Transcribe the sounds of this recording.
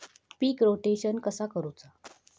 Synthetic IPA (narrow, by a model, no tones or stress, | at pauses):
piːkɾoʈeɕənkəsakəɾut͡sa